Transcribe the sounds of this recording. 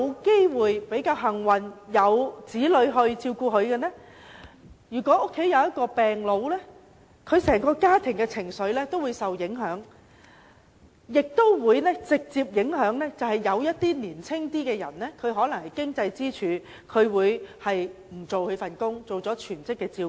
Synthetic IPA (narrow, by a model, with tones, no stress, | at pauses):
wke˥jwuː˨jpe˨˥jkaː˧wɦɐ˨˩ŋwɐ˨njɐ˨˧wt͡siː˨˥lɵ˨˧ɥɦɵ˧ɥt͡siː˧wkuː˧ɦɵ˨˧ɥkɛː˧nɛː˥ | jyː˨˩kʷɔ˨˥ʔʊ˥kʰːe˨˥jɐ˧wjɐ˥t̚kɔː˧pɛː˨ŋlo˨˧wlɛ˥ | kʰɵ˨˧ɥsɛː˨˩ŋkɔː˧kaː˥t̪ʰɪ˨˩ŋkɛ˧t͡sʰɪ˨˩ŋsɵ˨˧ɥlɛː˥t̪o˥wuː˨˧jsɐ˨wjɪ˨˥ŋɦœː˨˥ŋ | jɪ˨k̚t̪o˥wwuː˨˧jnɛ˥t͡sɪ˨k̚t͡siː˧p̚jɪ˨˥ŋɦœː˨˥ŋlɛː˥t͡sɐ˨whɐ˨jːɐ˨˧wjɐ˥t̚t̪iː˥niː˨˩nt͡sʰɪ˥ŋt̪iː˥kɛː˧jɐ˨˩nlɛː˥kʰɵ˨˧ɥɦɔː˨˥lɐ˨˩ŋhɐ˨jkɪ˥ŋt͡sɐ˧jt͡siː˥t͡ʃʰyː˨˧ | kʰɵ˨˧ɥwuː˨˧jhɐ˨jm̩˨˩t͡so˨whɵ˨˧ɥfɐ˨nkʊ˥ŋt͡so˨wt͡sɔː˨˥t͡ʃʰyː˨˩nt͡sɪ˥kːɛː˧t͡siː˧